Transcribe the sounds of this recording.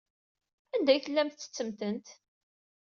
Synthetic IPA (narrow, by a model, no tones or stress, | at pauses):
ænd̪æjθəlːæmt̪ːə̥t͡sːəmt̪ənt̪